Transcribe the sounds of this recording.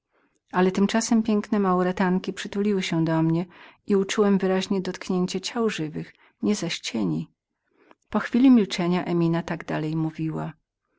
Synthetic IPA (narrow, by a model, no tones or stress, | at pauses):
alɛt̪ɘmt͡ʂasɛmpʲjɛŋknɛmauɾɛt̪aŋkʲipʂɘt̪ulʲiwɘɕɛd̪ɔmɲɛiut͡ʂuwɛmvɘɾaʑɲɛd̪ɔt̪kɲeɲt͡ɕɛt͡ɕawʐɘvɘx | ɲɛzaɕt͡ɕɛɲi | pɔxfʲilʲimʲilt͡ʂɛɲaʔɛmʲinat̪aɡd̪a̰lɛjmuvʲiwa